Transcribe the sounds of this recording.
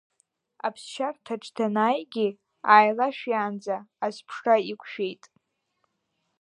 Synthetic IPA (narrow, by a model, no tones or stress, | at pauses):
apʰst͡ʃʰartʰaʈ͡ʂʰʼtʰanaːjɡʲi | aːjlaʃᶣjaːnd͡zaːspʰʂraikʷʰʃᶣe̞jtʼ